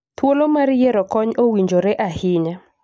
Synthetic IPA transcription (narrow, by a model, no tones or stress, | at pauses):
t̪wolomaɾjɛɾɔkɔɲowiɲd͡ʒoɾeʔahɪɲa